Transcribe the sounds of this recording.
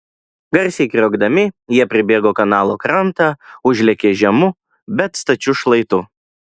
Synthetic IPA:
ɡɐɾʲsʲɛɪkɾʲoːɡd̪ɐmʲɪjiɛpʲɾʲɪbʲeːɡoːkɐnɑːlˠoːkɾɐnt̪ɑːʊʒʲlʲɛkʲeːʒʲɛmʊ | bʲɛt̪st̪ɐt͡ʃʲʊʃlˠɐɪt̪ʊ

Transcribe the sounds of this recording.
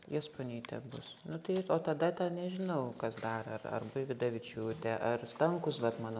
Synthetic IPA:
jɛspoːnʲit̪ʲɛ̰bʊsnʊt̪ɐɪoːt̪ɐd̪ɐt̪ʲɛnʲɛʒʲɪnɐʊkɐsd̪ɑːɾɐɐrɐ̰rbʊɪʋʲɪd̪ɐʋʲɪt͡ʃʲuːt̪ʲɛʔɐrst̪ɐŋkʊsʋɐt̪mɑːno

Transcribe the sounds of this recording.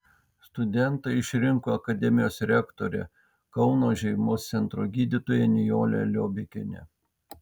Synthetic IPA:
st̪ʊd̪ʲɛnˑt̪ɐɪɪʃʲɾʲɪŋkoːɐkɐd̪ʲɛmʲɪjoːsɾʲɛkt̪oɾʲɛ̰ | kɐʊnoːʒʲɛɪmoːst̪sʲɛnt̪ɾoːɡʲiːd̪ʲɪt̪oːjɛnʲɪjoːlʲɛ̰lʲoːbʲɪkʲɪ̰nʲɛ̰

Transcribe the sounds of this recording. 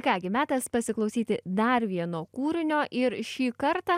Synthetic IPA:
kɑːɡʲɪmʲæːt̪ɐspɐsʲɪklˠɐʊsʲiːt̪ʲɪd̪ɐɾʋʲiɛnoːkuːɾʲɪnʲoːʔɪɾʃʃʲiːkɐɾt̪ɑː

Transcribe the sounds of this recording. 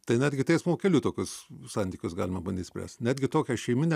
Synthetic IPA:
t̪ɐɪnʲæːd̪ʲɡʲɪt̪ʲɛɪsmokʲɛlʲuːt̪oːkʲʊssɑnʲt̪ʲiːkʲʊsɡɑːlʲɪmɐbɐnʲd̪ʲiːt̪ʲsʲpʲɾʲæ̰ːst̪nʲæːd̪ʲɡʲɪt̪oːkʲɛʃʲɛɪmʲɪnʲɛ

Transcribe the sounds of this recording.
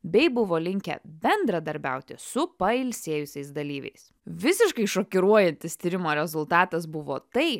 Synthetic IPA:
bʲɛɪbʊʋoːlʲɪŋʲkʲɛ̰bʲɛnd̪ɾɐd̪ɐɾʲbʲɛ̰ˑʊt̪ʲɪsʊpɐɪlʲsʲiɛjʊsʲɛɪsd̪ɐlʲiːʋʲɛ̰ɪs | ʋʲɪsʲɪʃkɐɪʃoːkʲɪɾuɔjɛnʲt̪ʲɪst̪ʲiɾʲɪmoːɾʲɛzʊlˠt̪ɑːt̪ɐs̬bʊʋoːt̪ɐɪ

